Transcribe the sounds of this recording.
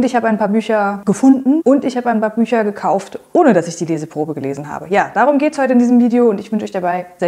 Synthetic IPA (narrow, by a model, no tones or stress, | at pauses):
ntɪçhaːbəaɪnpʰaːɐbyːçɐɡəfʊndn̩ʔʊntɪçhaːbəaɪnpʰaːɐbyːçɐɡəkʰaʊftʔoːnədasɪçd̥iːleːzəpʁ̥oːbəɡəlḛːzn̩ɦa̰ːbəjaːd̥aːʁ̞ʊmɡeːtəshɔʏtəɪndiːzəmviːdeoʊntɪçvʏnʃəʔɔçd̥abaɪzɛ